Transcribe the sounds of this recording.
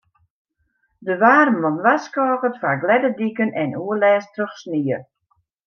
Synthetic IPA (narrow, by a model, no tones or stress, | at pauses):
dəʋaːrmɔnʋaskɔːɣətfaɡlɛdədikənʔɛnuəlɛːstrøxsniə